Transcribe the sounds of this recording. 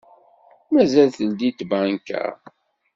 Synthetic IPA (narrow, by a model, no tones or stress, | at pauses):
mæzælθəld̪it̪bænkæ̰